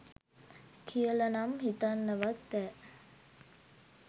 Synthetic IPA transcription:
kʰijəlanamɦit̪anːəʋat̪bɛː

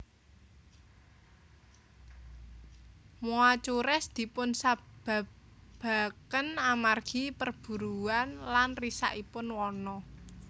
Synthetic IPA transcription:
muat͡ʃuɾɛsd̪̥i̤pʊnsab̥a̤ | b̥a̤kənamarɡ̥ipərb̥ṳɾuanlanrisa̰ʔipʊnwɔnɔ

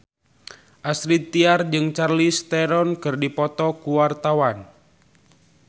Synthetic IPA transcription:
ʔasɾit̪ːiard͡ʒɨŋt͡ʃarlist̪ɛɾɔnkɨrdipɔt̪ɔkuwart̪awan

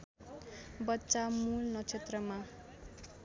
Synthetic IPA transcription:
bʌtːsamulnʌt͡sʰet̪rʌma

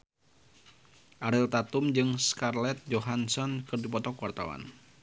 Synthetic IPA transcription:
ʔaɾɪlt̪at̪umd͡ʒɨŋskarlɛt̪̚d͡ʒoɦansɔnkɨrdipɔt̪ɔkwart̪a̰wa̰n

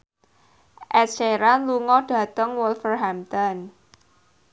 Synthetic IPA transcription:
ʔɛseɾanluŋɔɖ̥ä̤t̪əŋwɔlfərɦamt̪ən

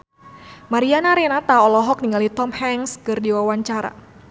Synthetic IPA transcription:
maɾianaɾenat̪aɔlɔɦɔk̚niŋalit̪ɔmhɛŋskɨrdiwawaɲt͡ʃaɾa̰

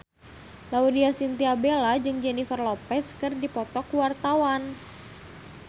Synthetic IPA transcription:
laudiasint̪iabelad͡ʒɨŋd͡ʒɛnifərlopɛskɨrdipɔt̪ɔkuwart̪awan

